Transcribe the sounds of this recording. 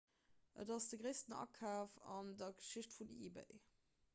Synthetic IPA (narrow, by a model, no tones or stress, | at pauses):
ʔə̰dɑsd̥əɡʁeɪstənɑ̰kʰaːfɑndɐɡə̥ʃiɕtfunḭbḛɪ